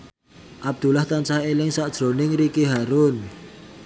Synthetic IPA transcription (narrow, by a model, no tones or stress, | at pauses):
ʔab̚d̪̥ṳlaht̪ant͡ʃahelɪŋsaʔd̥ʒ̥ɾo̤nɪŋɾikiɦaɾʊn